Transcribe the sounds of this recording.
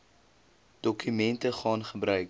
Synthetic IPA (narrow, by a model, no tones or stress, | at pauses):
d̥ɔkymɛntəχɑːnχəbrœɥk